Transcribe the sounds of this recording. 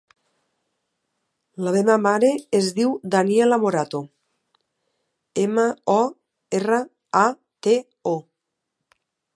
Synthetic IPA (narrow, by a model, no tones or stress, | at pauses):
laβemamaɾeːzðiwd̪aniɛlamoɾat̪o | emaɔ | erə | a | t̪e | o